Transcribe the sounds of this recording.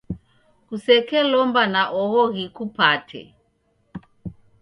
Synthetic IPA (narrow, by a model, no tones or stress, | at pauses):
kusɛkɛlɔmbanaʔɔɣɔɣikupatʰɛ̰